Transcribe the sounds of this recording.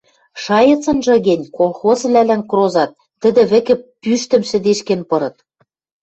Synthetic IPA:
ʃɑjɤ̆t͡sɤ̆nʒɤ̆ɣĕnʲkolˠxozβlælænkrozɑt̪̚ːɘ̆d̪ɘ̆βɘ̆kɘ̆pːyʃt̪ɘ̆mʃɘ̆d̪eʃkenpɤ̆ɾɤ̆t̪̚

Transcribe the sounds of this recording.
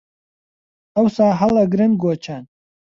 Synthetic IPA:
ɐwsaːɦɐlˠɐɡɾɨnɡoːt͡ʃʰaːn

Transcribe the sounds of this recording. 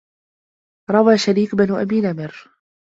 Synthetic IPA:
ɾˤɑwaːʃaɾiːkbanuʔa̰biːnamɪɾ

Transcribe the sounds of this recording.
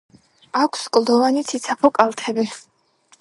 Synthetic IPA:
akʷʰskʼlˠd̪ɔvanit̪sʰit̪sʰapʰɔkʼalˠt̪ʰɛbi

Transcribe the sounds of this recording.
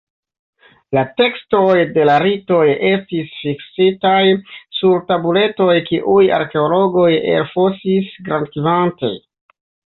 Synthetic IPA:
late̞ksto̞jde̞laɾito̞je̞stisfiksitajsuɾtabule̞to̞jkiʔuja̰ɾke̞olo̞ɡo̞je̞̰lfosisɡɾankizantḛj

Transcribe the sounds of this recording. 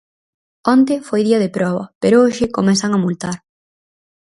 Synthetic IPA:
ont̪ɪfojðiɐðɪpɾɔβɐpeɾooʃɪkomɛsɐŋɐmult̪aɾ

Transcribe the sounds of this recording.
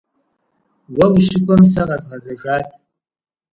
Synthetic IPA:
wɐwʷiʃɪkʷɔmsɐʁɐzʁɐzɐʒʷaːtʰ

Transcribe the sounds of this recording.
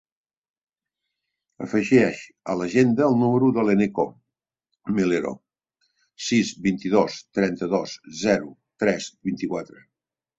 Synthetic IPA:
ə̰fəʒɛʃ | ə̰ləʒend̪əːlˠnuməɾuðəleneko̰ | meleɾo̰ | sizβint̪iðost̪ɾɛnt̪əðoszɛɾut̪ɾɛzbint̪ikwat̪ɾə

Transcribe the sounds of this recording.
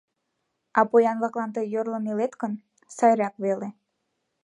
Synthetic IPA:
ɑpojɑnβɑklˠɑnt̪ɤjjorlə̆milet̪kən | sɑjɾɑkβele

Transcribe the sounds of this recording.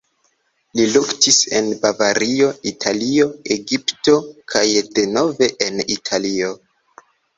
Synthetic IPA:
liluktise̞nbavaɾio̞itʰalio̞eɡipto̞kʰajde̞no̞ve̞ʔenitʰalio̞

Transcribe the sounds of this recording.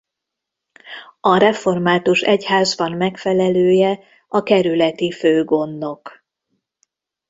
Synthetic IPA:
ɒɾɛfo̞rmaːt̪uʃɛchaːzbɒmmɛkfɛlɛløːjɛ | ɒkɛɾylɛt̪iføːɡo̞nːo̞k

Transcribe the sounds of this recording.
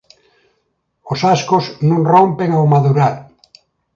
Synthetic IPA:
osaskoznõŋrompeŋawmaðuɾal

